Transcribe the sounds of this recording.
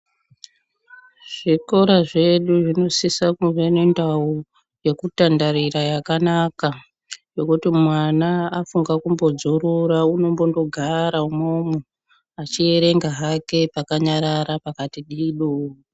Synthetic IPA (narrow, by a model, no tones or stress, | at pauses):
ʐ̥iko̞ɾaʐe̞ɗuʐino̞sisakuʐenendau | je̞kutandaɾiɾajakanaka | jo̞kutimwanaːfuŋɡakumbo̞d͡zuɾuɾauno̞mbo̞ndo̞ɡʱaɾaumomu | at͡ʃie̞ɾe̞ŋɡaɦake̞pakaɲaɾaɾapakatiɗiɗoː